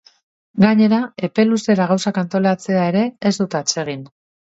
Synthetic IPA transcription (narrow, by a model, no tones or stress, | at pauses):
ɡaɲe̞ɾae̞pe̞luse̞ɾaɣ̞awsakant̪o̞lat͡se̞ae̞ɾe̞ːzd̪ut̪at͡se̞ɣ̞in